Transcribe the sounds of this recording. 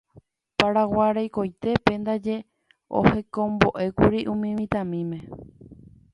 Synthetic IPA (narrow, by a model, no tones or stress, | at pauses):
paɾawaɾajko̞jt̪e̞pend̪ad͡ʒe̞ | o̰he̞kõmbo̞ʔe̞kuɾiʔũmĩmĩt̪ãmĩmẽ̞